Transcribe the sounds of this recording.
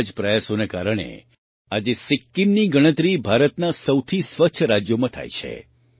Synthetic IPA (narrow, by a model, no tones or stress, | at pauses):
d͡ʒpɾəjasonekaɾəɽ̃ḛ | ad͡ʒesɪkːimniɡəɽ̃ət̪ɾibʱaɾət̪nasəwt̪ʰisʋəkt͡ʃʰəɾad͡ʒjomãt̪ʰa̰jt͡ʃʰḛ